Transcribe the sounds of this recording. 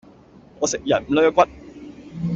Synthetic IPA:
ŋɔː˨˧sɪ˨k̚jɐ˨˩n̩˨˩lœ˥˦˥kʷɐ˦˥t̚

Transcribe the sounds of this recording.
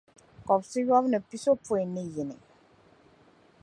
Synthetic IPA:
kɔ˨psi˦jɔ˦bnə˨pi˦so˦pu˦e˨ni˦ji˨nḭ˨

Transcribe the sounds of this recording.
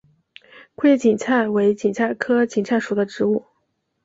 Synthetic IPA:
kʰwe˥ɪt͡ɕi˨˩nt͡sʰa˥˩ɪwe˧˥ɪt͡ɕi˨˩ŋt͡sʰa˥˩ɪkʰɤ˥t͡ɕi˨˩ŋt͡sʰa˥˩ɪʂu˨˩d̪ə˦ʈ͡ʂɻ̩˧˥u˥˩

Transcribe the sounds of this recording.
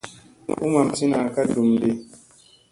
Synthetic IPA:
ʔu˦ma˨mti˦na˨ka˦du˨mde˦

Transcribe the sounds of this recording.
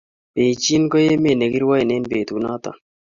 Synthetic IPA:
pe˨t͡ʃi˦nkɔ˦je˦me˨ne˨ɡi˦ɾwa˦i˨ne˦nbe˨t̪u˨na˦t̪a̰˨

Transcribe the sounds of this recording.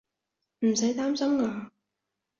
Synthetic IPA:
m̩˨˩sɐ˨˥jt̪aː˥msɐ˥mŋaː˧

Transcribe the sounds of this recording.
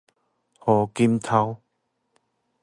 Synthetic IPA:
hɔ˨˦ki˦mt̪ʰa˧w

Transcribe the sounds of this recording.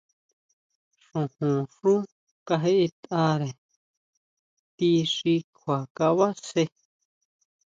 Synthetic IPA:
ʂũ˨hũ˨ʂũ˦ | ka˧ɦe˦ʔe˧t̪a˧ɾe˨ | t̪i˧ʂi˧kʰwa˨ka˧βa˦se˧

